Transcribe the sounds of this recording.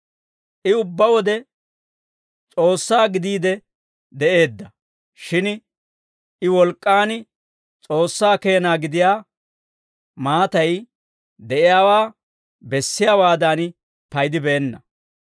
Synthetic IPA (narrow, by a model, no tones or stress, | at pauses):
ʔɪʊbːɐwɔd̪ɛ | t͡sʼo̞ːsːaːɡɪd̪iːd̪ɛ | d̪ɛe̞ːd̪ːɐ | ʃɪn | ɪwɔlkʼːaːnɪ | t͡sʼo̞ːsːaːke̞ːnaːɡɪd̪ɪjaː | maːt̪ɐj | d̪ɛʔɪjaːwaː | bɛsːɪjaːwaːd̪aːn | pɐjd̪ɪbɛːnːɐ